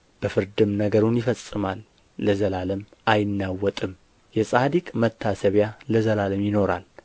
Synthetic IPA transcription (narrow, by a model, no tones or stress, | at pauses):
b̥əfɨɾd̪ɨmnəɡəɾunjɪfəsʼːɨmalː | əzəlaləm | ajɪnːawːɔt̪ʼɨm | jɛsʼad̪ikʼmət̪ʰːasəβjaləzəlaləmjɪno̞ɾa̰l